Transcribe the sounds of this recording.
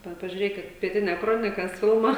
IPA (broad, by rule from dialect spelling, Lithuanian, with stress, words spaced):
ˈʋɐ pɐʒʲʊˈrʲeːkʲɪt pʲiɛˈtʲɪnʲɛ ˈkroːnʲɪkɐs ˈfʲɪlˠmɐ